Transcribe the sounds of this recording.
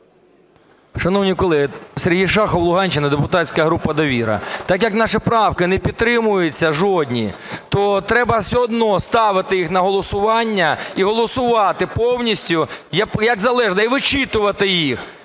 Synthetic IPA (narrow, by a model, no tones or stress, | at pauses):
ʃɐnɔwnʲikɔlˠɪseɾʲɦijʃɑxɔwlˠʊɦɑnʲt͡ʃɪnɪd̪epʊt̪ɑtʲsʲkɐɦɾupːɐd̪ɐʋʲiɾɐ̰t̪ɑkjɐknɑʃɪpɾɑwkɪnɛpʲid̪t̪ɾɪmʊjʊt͡sʲːɐʒɔdʲnʲḭ | t̪ɔt̪ɾɛbɐwsʲɔɔd̪nɔst̪ɑʋɪt̪ɪjixnɐɦɔlˠɔsʊʋɑnʲːɐiɦɔlˠɔsʊʋɑt̪ɪpɔwnʲisʲtʲʊjɐkjɐɡzɐlˠɛʐnɐiʋɪt͡ʃɪt̪ʊʋɐt̪ɪjix